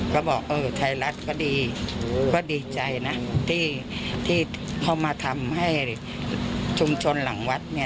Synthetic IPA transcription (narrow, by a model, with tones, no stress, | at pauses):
kɔː˥˩bɔː˨˩k̚ʔɤː˧˩t̪ʰa˧jla˦˥t̪̚kʰɔː˥˩diː˧kɔː˥˩diː˧t͡ɕa˧jna˦˥t̪ʰiː˥˩t̪ʰiː˥˩kʰa˧˩wmaː˧t̪ʰa˧mha˥˩j | t͡ɕʰu˧mt͡ɕʰo˧nla˨˩˦ŋwa˦˥t̪̚ni˥˩˨